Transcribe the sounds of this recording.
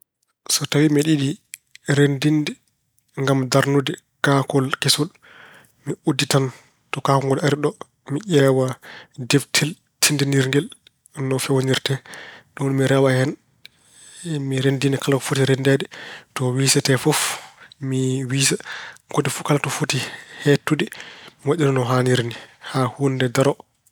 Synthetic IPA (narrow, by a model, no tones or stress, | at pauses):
sɔtawimiɗiɗiɾendindɛ | ŋɡamdaɾnudɛ | kakɔlkesul | miuditan | tɔkakɔŋɡɔlaɾiɗɔ | miʔʲɛːwadeftʰil | tʰindɛniɾŋɡɛl | nɔfɛwoniɾtɛɗunmiɾɛwahɛn | miɾendinɛkalakɔfotiɾɛndɛdɛtɔwiːsɛtɛfɔfmiwiːsaɡodifukalatɔfotihetːudiwaʔːinɔnɔɦaniɾnihahundɛdaɾɔ